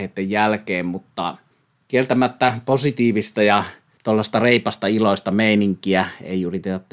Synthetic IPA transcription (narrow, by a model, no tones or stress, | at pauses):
et̪ːejjælkeːmmut̪ːɑ̰ | kielt̪æmæt̪ːæposit̪iːʋist̪ɑjɑ | t̪olːɑsest̪ɑreˑipɑst̪ɑiloˑist̪ɑmeˑiniŋkiæḛˑijurit̪et̪ɑt̪ː